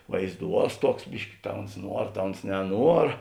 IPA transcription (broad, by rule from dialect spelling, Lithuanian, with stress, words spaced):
ʋɐɪzˈduɔs ˈtuɔks ˈbʲɪʃʲkʲɪ tɐ ʊns ˈnuɔr tɐ ʊns nʲɛˈnuɔr